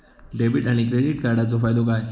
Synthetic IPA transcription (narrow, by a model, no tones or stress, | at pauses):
ɖebiʈañikɾeɖiʈ̚kaɾɽat͡sofaːjd̪okaːe